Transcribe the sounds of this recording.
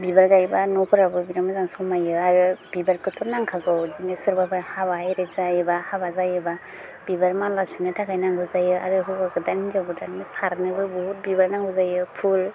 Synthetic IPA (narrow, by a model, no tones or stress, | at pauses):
bibaɾɡajbanɔkʰɔɾabɯbiɾamɯzaŋsɔmajɯaɾɯb̥ibaɾkʰɯtʰɔnaŋkʰaɡɯwdinesɯɾbabaɾhabajɾezajɯbahabazajɯba | bibaɾmalasunɯtʰaɡajnaŋɡɯzajɯa̰ɾɯɦɯbakɯdanizabɯdamɯsaɾnɯbɯbɔhut̚bibaɾnaŋɡɯzajɯpʰul